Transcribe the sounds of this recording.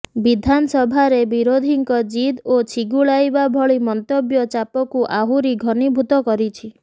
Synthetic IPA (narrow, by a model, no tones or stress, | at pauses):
bid̪ʱanɔsɔbʱaɾebiɾod̪ʱiŋkɔd͡ʒid̪ot͡ʃʰiɡuɭajbabʱɔɭimɔnt̪objɔt͡ʃapɔkuʔaɦuɾiɡʱɔnibʱut̪ɔkɔɾit͡ʃʰi